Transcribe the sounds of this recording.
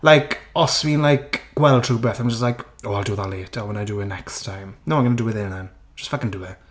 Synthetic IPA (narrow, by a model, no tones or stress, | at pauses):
lajkʰɔswiːnlajkɡ̥wɛlˠdtʰr̥ubɛθãmd͡ʒəstlajkoːalˠduːðaleːtʰɔwɛnajduwɪnɛkstʰajmnowmanɡənədəwɪðɪnɛn | d͡ʒ̥əstfakɪnduwɪ